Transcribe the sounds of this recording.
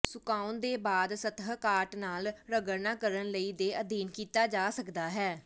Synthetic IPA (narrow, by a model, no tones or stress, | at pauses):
sʊkaːʊnd̪eːbaːd̪sət̪ɦkaːʈnaːlɾəɡəɾnãːkəɾənləiːd̪eːʔəd̪iːnkiːt̪aːd͡ʒaːsəkd̪aːɦɛː